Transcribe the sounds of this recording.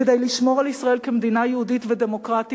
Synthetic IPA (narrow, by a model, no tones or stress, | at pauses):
ed̪ejliʃmo̞ʁalisʁae̞lkemed̪inajehuditvedemo̞kʁati